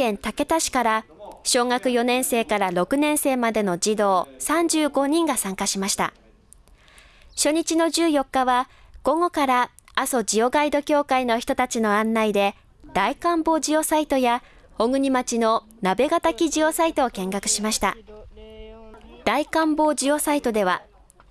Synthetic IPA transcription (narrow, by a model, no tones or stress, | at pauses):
ẽ̞nt̪ake̞t̪aɕi̥kaɾaɕo̞ːŋakɯ̟jo̞nẽ̞ɰ̃se̞ːkaɾaɾo̞kɯ̟nẽ̞ɰ̃se̞ːmad̪e̞no̞d͡ʑid̪o̞ːsãɲ̟d͡ʑɨːɡo̞ɲ̟ĩŋɡasãŋkaɕimaɕi̥t̪a̰ | ɕo̞ɲ̟it͡ɕino̞d͡ʑɨːjo̞kːaβaɡ̥o̞ŋo̞kaɾa | aso̞d͡ʑio̞ɡaid̪o̞kʲo̞ːkaino̞çʲi̥t̪ot̪at͡ɕino̞ãnːaid̪e̞ | d̪̥aikãmbo̞ːd͡ʑio̞sait̪o̞ja | oɡɯ̟ɲ̟imat͡ɕino̞ | nabe̞ɡat̪akʲiʑio̞sait̪o̞ːkẽ̞ŋɡakɯ̟̥ɕimaɕi̥t̪a̰ | d̪̥aikãmbo̞ːd͡ʑio̞sait̪o̞d̪e̞β̞a